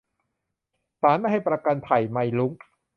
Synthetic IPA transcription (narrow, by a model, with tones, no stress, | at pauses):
saː˨˦nma˥˩jha˥˩jpɾa˧ka˧npʰa˨˩jma˧jlu˦˥ŋ